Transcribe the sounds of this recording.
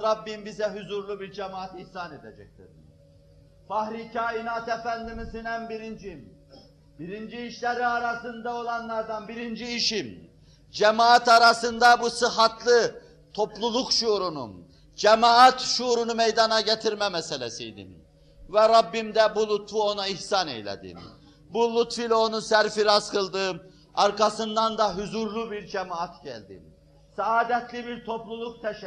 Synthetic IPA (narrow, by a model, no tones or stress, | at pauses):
ɾabːimbizɛɦyzuɾlˠubiɾd͡ʒɛmaat̪ihsaned̪ɛd͡ʒɛ̰c̚t̪ḭɾ | fahɾicʰaːinat̪efænd̪imizinænbiɾind͡ʒim | b̥iɾind͡ʒiːʃlʲɛɾiaɾasɯnd̪ao̞lˠɑnlˠaɾd̪anbiɾind͡ʒiːʃim | d͡ʒɛmaːat̪aɾasɯnd̪abusɯɦɑt̪ʰlˠɯ | t̪ʰo̞plˠulˠukʃuɾunṵ | d͡ʒɛmaat̪ʃuɾunumɛjd̪ɑnɑɟɛt̪ʰiɾmɛmɛsɛlʲɛsijd̪ḭn | vɛɾɑbːimd̪ɛbulˠut̪fuo̞naihsɑnḛjlʲɛ̰d̪ḭn | bulˠut̪filʲɛonunsæɾfiɾaskʰɯlˠd̪ɯ | ɑɾkɑsɯnd̪ɑnd̪ɑɦyzuɾlˠubiɾd͡ʒɛmaat̪ɟæ̰lʲd̪ḭn | sɑaːd̪ɛt̪lʲibiɾt̪ʰo̞plˠulˠuk̚t̪ʰɛʃ